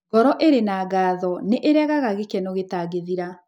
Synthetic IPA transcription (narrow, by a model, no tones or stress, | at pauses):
ɡ̥ɔɾɔʔeɾenaːɡaːðɔneʔeɾɛɣaɣaɣekɛnoɣetaːɣeðiɾa